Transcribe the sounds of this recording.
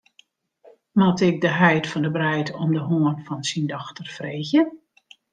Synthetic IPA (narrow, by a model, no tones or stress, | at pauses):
mɔtɪk̚dəɦɛjtfɔndəbrɛjtɔmdəɦoənfɔnsindɔxtərfreːɣjə